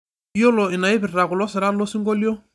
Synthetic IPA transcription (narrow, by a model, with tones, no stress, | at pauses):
jo˦lɔ˨ɪ˨na˨ɪ˦pɪ˨ɾɾa˨kʊ˨lɔ˦sɪ˨ɾa˦lɔ˦si˦ŋɡo˦ljɔ˦